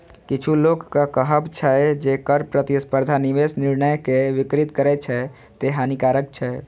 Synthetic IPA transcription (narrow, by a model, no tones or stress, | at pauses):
kit͡ʃʰulokːakəɦəbt͡ʃʰɛd͡ʒekəɾpɾət̪ispəɾd̪ʱaniʋesnɪɾnəjkeʋikɾit̪kəɾɛt͡ʃʰɛ | t̪eɦanikaɾək̚t͡ʃʰɛ